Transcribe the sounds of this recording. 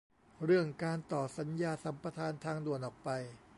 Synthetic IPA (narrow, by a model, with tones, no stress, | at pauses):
ɾɯ˥˩əŋkaː˧nt̪ɔː˨˩sa˩˦njaː˧sa˩˦mpɾa˧t̪ʰaː˧nt̪ʰaː˧ŋdu˨˩ənʔɔː˨˩k̚pa˧j